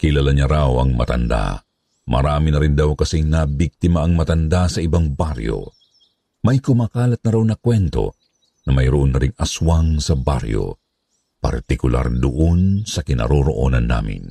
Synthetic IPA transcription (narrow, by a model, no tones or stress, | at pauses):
kɪlalaɲaɾawɐ̰ŋmɐ̰t̪ɐ̰nd̪a̰ | mʔɐ̰ɾaːmɪnɐɾɪnd̪awkɐsiŋnabik̚t̪ɪmaʔːŋmɐt̪ɐnd̪asɐɪbaŋbaɾjo̞̰ | mɐjkʊmaːkaːlɐt̪̚nɐɾawnɐkwɛnt̪o̞̰ | nɐmɐjɾoʔonːɐɾɪŋɐswaŋsɐba̰ɾjo̞̰ | pɐ̰ɾt̪ɪkʊlʔa̰ɾd̪ʊʔonsɐkɪnɐ̰ɾoɾo̰ʔo̰nɐnːa̰ːmɪ̰n